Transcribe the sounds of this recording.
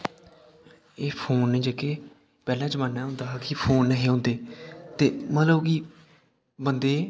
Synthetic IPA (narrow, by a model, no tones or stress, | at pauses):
eːpʰoːnːẽːd͡ʒeːkeː | pɛːlãːd͡ʒəmaːnːaːɦʊ̃nd̪aːkipʰoːnːəɦiːɦõːnd̪eːt̪eːmət̪ləbki | bənd̪eː